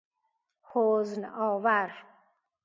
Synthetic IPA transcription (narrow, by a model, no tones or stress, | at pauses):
hoznɔːvaɾ